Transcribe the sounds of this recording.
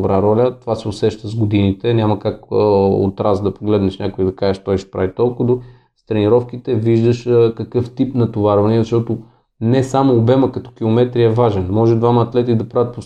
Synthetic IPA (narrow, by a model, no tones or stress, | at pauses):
bɾaɾɔlʲət̪ovasɛʊsɛʃt̪əzɡod̪init̪ɛnʲamɐkakəo̰t̪ɾazd̪ɐpoɡlɛd̪nɛʃnʲakʊid̪ɐkaʒɛʃt̪ɔjʃɛ̥pɾavit̪ɔlˠkʊd̪o | st̪ɾɛniɾɔfkit̪ɛviʒd̪əʃkɐkɤft̪ipnɐt̪ovaɾvɐnizɐʃt̪ɔt̪ʊ | nɛsamoːbɛməkɐt̪ɔ̥k̟ilˠomɛt̪ɾiɐvaʒɛnmɔʒɛd̪vamɐːt̪lɛt̪id̪ɐpɾavət̪po